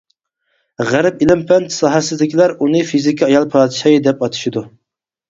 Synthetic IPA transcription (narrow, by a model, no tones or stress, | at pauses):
ʁæɾɪpilɪmpʰɛnt̪sɑːɦɛsɪzlɪkʲʰilæɾunɨfizɪkʲʰiɑjɑlˠpʰɑːd̪ɪʃɑjɨd̪ɛpɑt̪ʰu̥ʃid̪u